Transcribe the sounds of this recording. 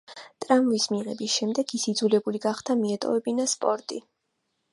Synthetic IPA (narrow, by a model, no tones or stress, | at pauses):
t̪ʼɾamvismiʁɛbisʃɛmd̪ɛɡʰisid̪zulɛbuliɡaχt̪ʰamiɛt̪ʼɔ̰vɛbinaspʼɔɾt̪ʼi